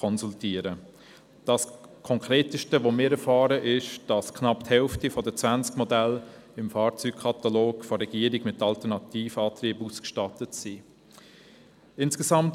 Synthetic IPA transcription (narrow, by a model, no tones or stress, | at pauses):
ɔnsultiːəɾə | d̥ɑskʰɔŋkɾeːtəʃtəʋomɪːɾɛɾfɑːɾəʔɪʃd̥ɑskʰnɑpthɛlftifɔdət͡sʋænt͡skmɔdælɪmfɑːɾt͡sykkʰɑt̪ɑloːɡfɔɾɛɡ̥iːəɾiɡmɪtːɑltənɑtiːfɑːtriːbuskʃtɑtətsi | ɪnskɛzɑmt